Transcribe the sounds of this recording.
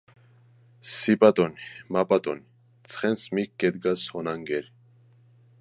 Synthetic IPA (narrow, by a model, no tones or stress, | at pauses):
sipʼat̪ʼɔnimapʼat̪ʼɔ̰ni | t͡sʰχɛnsmik̚ɡɛd̪ɡashɔnaŋɡɛɾi